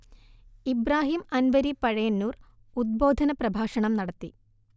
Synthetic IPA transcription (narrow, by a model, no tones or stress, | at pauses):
ibraːɦimɐnʋɐɾipɐɻɐjɐnːuːr | ud̪̚bo̞ːd̪ʱɐnɐprɐbʱaːʂɐɳɐmnɐɽɐt̪ːi